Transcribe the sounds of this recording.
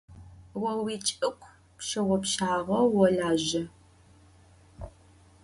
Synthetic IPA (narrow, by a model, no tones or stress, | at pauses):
wɔwiːt͡ʃʼɨkʷʰ | pʃɐʁʷɔpɕaːʁɐwɔɮaːʑɐ